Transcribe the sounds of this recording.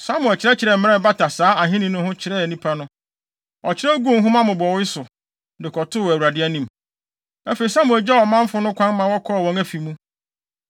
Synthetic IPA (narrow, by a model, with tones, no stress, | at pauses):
sa˦mʊ̃˨ɛ˨t͡ɕʰɪ˨ɾɛ˦t͡ɕʰɪ˨ɾɛ˨m̩˨m˦ɛ˦˨ba˦tʰa˨saː˨˦a˨ɦɪ̃˦nĩ˦nʊ̃˦hʊ̃˦t͡ɕʰɪ˨ɾɛ˦˨nĩ˦pʰa˦nʊ̃˦ | ɔ˨t͡ɕʰɪ˦ɾɛ˦o˦ɡũ˦˨n˦ɦʊ̃˦mã˦mʊ̃˨bɔ˨wɪ˦sʊ˨ | dɪ˨kʰɔ˨tʰʊ˦wæ˨wu˨ɾa˨dɪ˦æ˦nĩ˦˨m | æ˦fe˨i˨sã˦mʊ̃˨ɛ˨d͡ʑɛ˦˨wɔ˨mã˦m̩˦fʊ˦nʊ̃˦kʷʰã˦nmã˨wɔ˦kʰɔ˦˨wɔ̃˨ŋæ˦fi˨mũ˦